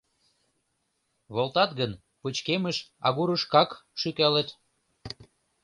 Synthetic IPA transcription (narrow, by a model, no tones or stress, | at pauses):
βolt̪ɑt̪ɣən | put͡ɕkeməʃɑ̰ɣuɾəʃkɑkʃykælet̪